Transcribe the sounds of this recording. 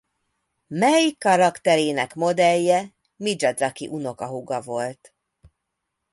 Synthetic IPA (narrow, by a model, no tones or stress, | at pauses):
mɛjikːɒɾɒkt̪ɛɾeːnɛkmo̞d̪ɛjːɛ | mid͡ʒɒd̪zɒkḭʔuno̞kɒɦuɡɒvo̞lt̪